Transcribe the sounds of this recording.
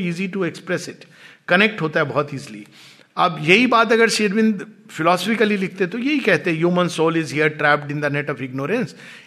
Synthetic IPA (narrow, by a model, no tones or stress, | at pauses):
iːziʈuekspɾɛsɪʈ | kɐnek̚ʈɦoːt̪aɦɛbɔɦɔt̪iːzlḭ | ɐbjɐɦibaːt̪ɐɡəɾʃeːɾʋɪ̃nd̪fɪlɔːsfɪkəlilɪk̚ʰt̪et̪ojɐɦikɛɦt̪eɦɛ̃juːmə̃nsoːlɪzɦiəɾʈɾɛːpɖɪ̃nd̪əneʈɔʋɪɡnoːɾə̃ns